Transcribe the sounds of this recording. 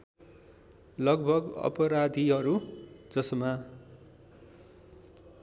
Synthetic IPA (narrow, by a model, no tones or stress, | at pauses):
lʌɡ̚bʱʌɡʌ̰pʌɾad̪ʱiɦʌɾud͡zʌsʌma